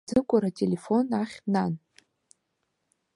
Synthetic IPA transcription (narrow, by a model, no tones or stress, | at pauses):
d͡zɨkʷʼʊɾatʲʼele̞fo̞naχʲnan